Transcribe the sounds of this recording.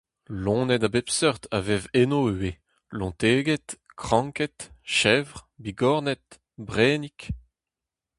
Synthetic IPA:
lɔ̃ːnɛd̪abɛpsœʁt̪ʰavɛvenoːwe | lɔ̃t̪eːɡɛt̪ | kχɑ̃ŋkɛt̪ʃɛvʁbiɡɔʁnɛt̪̚ | bʁɛːnik

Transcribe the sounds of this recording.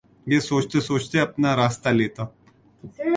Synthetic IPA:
jeːsoːt͡ʃt̪esoːt͡ʃt̪eɐpnaɾaːst̪aleːt̪aː

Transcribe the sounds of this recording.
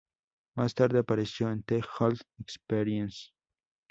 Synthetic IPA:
mast̪aɾd̪eapaɾesjoẽnt̪exalθekspeɾiens

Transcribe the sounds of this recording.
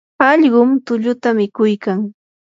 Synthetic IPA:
ɑʎɢʊmt̪ʊʎʊt̪amɪkʊjkaŋ

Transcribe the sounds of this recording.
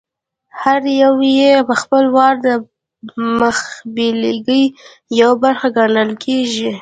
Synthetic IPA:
haɾjawjepəxpəlwɑɾd̪ə | məxbeleɡəj | jawabaɾxaɡaɳəlkʰeʒi

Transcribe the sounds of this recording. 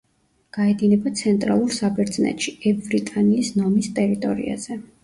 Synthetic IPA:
ɡ̥aɛd̪inɛbat̪sʰɛnt̪ʼɾa̰lˠuɾsabɛɾd̪znɛ̰t̪ʼʃiɛvbɾit̪ʼaniːsnɔmist̪ʼɛɾit̪ʼɔ̰ɾḭa̰z̥ɛ

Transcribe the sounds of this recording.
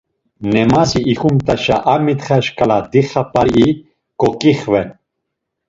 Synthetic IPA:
nɛmaziʔːxumt̪ʼaʃa̰ʔamit̪χaʃkʼalad̪iχapʼaɾi | kʼɔkʼiχvɛn

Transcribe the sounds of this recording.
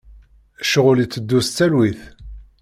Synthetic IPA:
æʃəʁʊlit͡sːəd̪ːust͡s̪ːælwiθ

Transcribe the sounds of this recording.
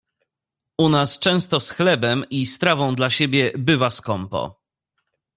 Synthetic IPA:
unast͡ʂɛ̃w̃st̪ɔsxlɛbɛmʔist̪ɾavɔ̃w̃d̪laɕebʲjɛbɘvaskɔmpɔ̰

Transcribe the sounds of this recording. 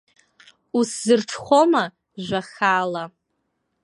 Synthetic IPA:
uszɨrʈ͡ʂʰχʷoma | ʒʷaχaːla

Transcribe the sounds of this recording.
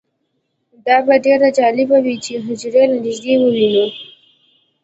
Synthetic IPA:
d̪ɑbaɖeɾad͡ʒɑlɪbawit͡ʃeɦʊd͡ʒɾelanɪʒd̪ewəwinu

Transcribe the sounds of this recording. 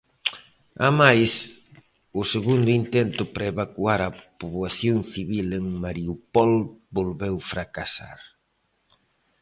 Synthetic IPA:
a̰majs | ʊseɣund̪ʊint̪ɛnt̪ʊpɾaeβakuaɾapoβwaθjoŋθiβileŋmaɾiupɔlbolβɛwfɾakasa̰ɾ

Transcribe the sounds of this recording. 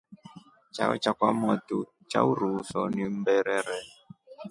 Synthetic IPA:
t͡ʃaɔ̰t͡ʃakwamɔtu | t͡ʃa̰uɾusɔnim̩bɛɾɛɾɛ

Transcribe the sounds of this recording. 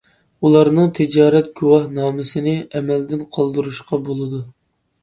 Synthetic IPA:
ulˠɑɾnɨŋt̪ʰɪd͡ʒɑːɾɛt̪̚ɡʲuwɑhnɑːmɪsɪnɪɛmɛld̪ɪnqʰɑlˠd̪ɨɾuʃqɑbolˠɨd̪u

